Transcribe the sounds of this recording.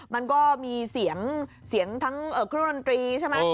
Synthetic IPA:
ma˧nkɔː˥˩miː˧si˩˦əŋsi˩˦əŋt̪ʰa˦˥ŋʔɤː˨˩kʰɾo˧nt̪ɾiː˧t͡ɕʰa˥˩jm˦˥

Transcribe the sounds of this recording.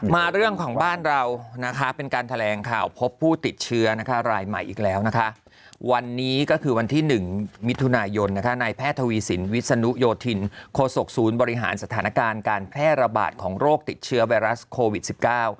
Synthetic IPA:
maː˧ɾɯ˥˩əŋkʰɔː˩˦ŋbaː˥˩nɾa˧wna˦˥kʰa˦˥pe˧nkaː˧nt̪ʰa˧lɛː˨˦ŋkʰa̰ː˨˩wpʰo˦˥pʰːuː˥˩t̪i˨˩t̪̚t͡ɕʰɯ˦˥ɐna˦˥kʰa˦˥ɾaː˧jma̰˨˩jʔḭː˨˩k̚lɛː˦˥wna˦˥kʰa˦˥ʔ | wa˧nːiː˦˥kɔː˥˩kʰɯː˧wa˧nt̪ʰiː˥˩nɯ˨˩ŋmi˦˥t̪ʰu˧naː˧jo˧nːa˦˥kʰa˦˥naː˧jpʰɛː˥˩t̪ʰːa˧wiː˧si˩˦nwi˦˥t̪̚sa˧nu˦˥joː˧t̪ʰi˧nkʰoː˧so˨˩k̚suː˩˦nbɔː˧ɾi˦˥ɦa̰ː˩˦nsa˧t̪ʰaː˩˦na˦˥kaː˧nkaː˧npʰɛː˥˩t̪̚ɾa˧ba̰ː˨˩t̪̚kʰɔː˩˦ŋɾoː˥˩k̚t̪i˨˩t̪̚t͡ɕʰɯ˦˥ɐwa˧jɾa˦˥skʰoː˧wi˨˩t̪̚si˨˩p̚kaː˥˩w

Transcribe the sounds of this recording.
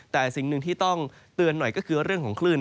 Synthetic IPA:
t̪ɛː˨˩si˨˩˦ŋnɯ˧ŋt̪ʰiː˥˩t̪ɔ˥˩ŋ | t̪ɯ˧ənːɔ˨˩jkɔː˥˩kʰɯː˧wɾɯ˥˩əŋkʰɔː˩˦ŋkʰlɯː˥˩n

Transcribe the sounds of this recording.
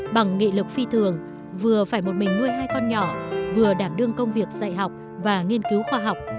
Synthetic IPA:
ɓa˨˩ŋːḭ˧˨lɨ˨˩k̚fi˧t̪ʰɨ˨˩əŋ | vɨ˨˩əfaː˧˩jmo˨˩t̚mï˨˩ŋ̟mu˧əjɦaː˧jkɔ˧nɲɔ˧˩vɨ˨˩əɗaː˧˩mɗɨ˧əŋkə˧wŋ͡mvi˨˩ək̚z̥a̰ː˧˨jɦa˨˩wk͡p̚ | vaː˨˩ŋi˧ənki˨˦wxwaː˧ɦa˨˩wk͡p̚

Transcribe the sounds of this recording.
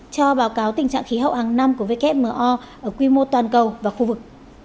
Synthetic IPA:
t͡ɕɔ˧ɓaː˨˦wkaː˨˦wt̪ï˨˩ŋ̟t͡ɕa̰ː˧˨xi˨˦ɦə̰˧˨whaː˨˩ŋna˧mku˧˩ve˧kɛ˦˥p̚məː˨˩ʔɔ˧ | ʔəː˧˩kwi˧mo˧t̪waː˨˩nkə˨˩wvaː˨˩xu˧vɨ˨˩k̚

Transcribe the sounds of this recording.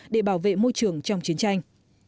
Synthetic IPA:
ɗe˧˩ɓaː˧˩wvḛ˧˨mo˧jt͡ɕɨ˨˩əŋt͡ɕɔ˧wŋ͡mt͡ɕi˨˦ənt͡ɕa˧jŋ̟

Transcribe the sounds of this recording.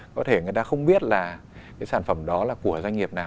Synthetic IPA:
kɔ˨˦t̪ʰe˧˩ŋɨ˨˩əjt̪aː˧xə˧wŋ͡mɓi˦˥ət̚laː˨˩ | kaː˨˦jsaː˧˩nfə˧˩mɗɔ˨˦laː˨˩ku˧˩əzwa˧ŋ̟ŋi˨˩əp̚naː˨˩w

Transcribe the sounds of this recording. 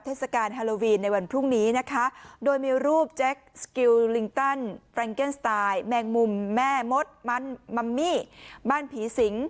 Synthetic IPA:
pt̪ʰeː˥˩sa˧kaː˧nɦaː˧loː˧wiː˧nːa˧jwa˧npʰɾuː˥˩ŋniː˦˥na˦˥kʰa˦˥doː˧jmiː˧ɾuː˥˩p̚t͡ɕɛ˦˥k̚ski˧wli˧ŋt̪a˥˩nfɾɛ˧ŋke˥˩nst̪aː˧jmɛː˧ŋmu˧mːɛː˥˩mo˦˥t̪̚ma˦˥nma˧mːiː˥˩baː˥˩npʰiː˩˦si˩˦ŋ

